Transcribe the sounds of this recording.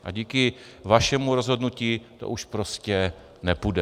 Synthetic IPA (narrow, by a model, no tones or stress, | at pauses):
ʔa̰ɟiːkɪ | vaʃɛmuɾo̞zɦo̞dnuciːt̪o̞̰ʔuʃpɾo̞scɛ | nɛpudɛ